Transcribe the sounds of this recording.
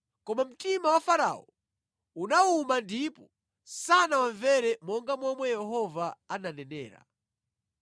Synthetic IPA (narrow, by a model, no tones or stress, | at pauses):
kɔmam̩timawafaɾa̰ɔ | unaumandipɔ | sanawaɱvɛɾɛmɔŋɡamɔmwɛjɛɦɔvaananɛnɛ̰ːɾa̰